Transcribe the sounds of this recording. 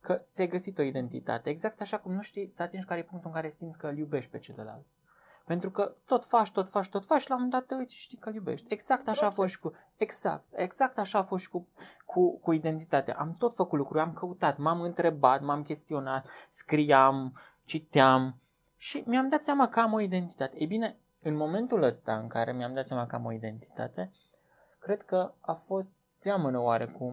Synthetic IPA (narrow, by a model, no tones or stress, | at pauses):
kət̪sʲajɡəsit̪o̞id̪e̞nt̪ḭt̪a̰t̪e̞eɡzak̚t̪aʃakumnuʃt̪ijsat̪enʃkaɾejepuŋkt̪uɨŋkaɾesimd̪sʲkəɨljube̞ʃt̪̚ʲpe̞t͡ʃe̞ləla̰lt̪ | pe̞nt̪ɾukət̪o̞t̪faʃt̪o̞t̪faʃt̪o̞t̪fat͡ʃʃilamund̪at̪ːəɨi̥ʃt̪ikəljubḛʃt̪ʲeɡz̥akt̪aʃaːfo̞sʃt̪ʲku | eɡz̥a̰k̚t̪eɡz̥akt̪aʃaːfo̞st̪ʲkukʰukuid̪e̞nt̪it̪at̪ḛʔamt̪o̞t̪fəkut̪lukɾujamkəut̪at̪mamɨnt̪ɾe̞bat̪mamkʲe̞st̪io̞nat̪skɾijam | t͡ʃit̪eam | ʃimiamd̪at̪sʲjamakəamo̞id̪e̞nt̪i̥t̪at̪e̞ejbine̞ | ɨnmo̞me̞nt̪uləst̪a̰ɨŋkaɾe̞miamd̪at̪sʲamakəa̰mo̞̰id̪e̞nt̪i̥t̪a̰t̪e̞ | kɾe̞d̪̥kəafo̞st̪ | seamənəwaɾe̞kum